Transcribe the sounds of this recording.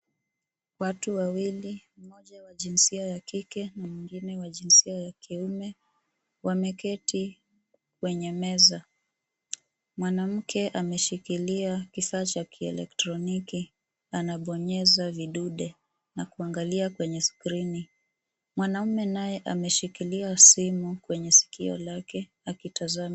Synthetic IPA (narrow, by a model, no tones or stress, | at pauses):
watuwawilim̩mɔʄawaʄinsiajakikɛnamwiŋɡinɛwaʄinsiajakʰiumɛ | wamɛkɛti | k̚wɛɲɛmɛza | mwanam̩kʰɛʔamɛʃikiliakifaːt͡ʃakʰiɛ̰lɛ̰ktɾɔniki | anaɓɔɲɛzaviɗuɗɛ | nakuaŋɡaliakwɛɲɛskɾini | mwanaumɛnajɛʔamɛʃikiliasimukwɛɲɛsi̥kiɔ̰lakɛ | akitazam